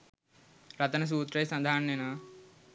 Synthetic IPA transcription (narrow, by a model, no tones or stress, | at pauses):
ɾɐt̪ɐnɐs̬uːt̪ɾɐjsɐ̃d̪ʱaːɳːjena